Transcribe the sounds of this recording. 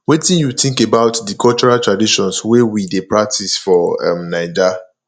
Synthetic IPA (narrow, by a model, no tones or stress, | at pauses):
wetĩnjutĩŋkebaʊtdikʰɔlt͡ʃɔɹaltɹadiʃɔ̃nswewidepɹak̚tʰisfɔɛ̰mnaɪd͡ʒa